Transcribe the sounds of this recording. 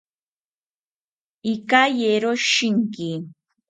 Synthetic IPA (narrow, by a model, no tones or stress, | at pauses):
ikajeɾoʃiŋki